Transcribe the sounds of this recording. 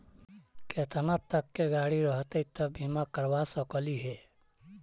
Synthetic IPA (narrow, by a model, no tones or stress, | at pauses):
ket̪ʰənat̪ːəkːeɡaːɽiɾəɦt̪et̪əbʱimakəɾʋasəkəliɦeː